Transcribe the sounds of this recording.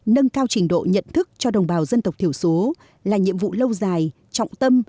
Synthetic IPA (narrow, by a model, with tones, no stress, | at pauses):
nə˧ŋkaː˧wt͡ɕï˨˩ŋ̟ɗo̰˧˨ɲə̰˧˨nt̪ʰɨ˦˥k̚t͡ɕɔ˧ɗə˨˩wŋ͡mɓaː˨˩wzə˧nt̪wk͡p̚t̪ʰi˧˩ə˩wso˨˦ | laː˨˩ɲḭ˧˨əmvṵ˧˨lə˧wzaː˨˩j | t͡ɕɔ̰˧˨wŋ͡mt̪ə˧m